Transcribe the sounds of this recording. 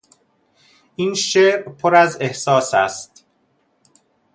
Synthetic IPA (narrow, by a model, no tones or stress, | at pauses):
ʔiːnʃeːɾpʰoɾæze̞hsɒːsæ̰st̪̚